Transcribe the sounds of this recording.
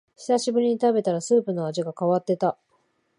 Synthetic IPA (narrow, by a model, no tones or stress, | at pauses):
çi̥saɕibɯ̟ɾʲiɲ̟it̪abe̞t̪aɾasɨːpɯ̟no̞aʑiɡakaβat̪ːe̞t̪a